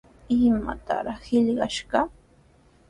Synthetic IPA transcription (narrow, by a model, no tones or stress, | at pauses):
ɪma̰t̪a̰ɾɑχhɪʎɢɑʃɢɑ